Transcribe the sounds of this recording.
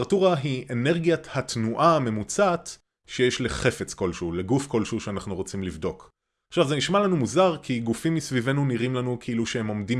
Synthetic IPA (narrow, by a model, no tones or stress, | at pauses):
ʁatuʁaɦiʔene̞ʁɡijathatnuʔame̞mut͡sat | ʃejeʃleχe̞fet͡sko̞lʃuleɡufko̞lʃuʃeanaχnuʁot͡simlivdo̞k | aχʃavzeniʃmalanumuzaʁkiɡufimːisvive̞nuniʁimlanukʰeiluʃehemo̞mdim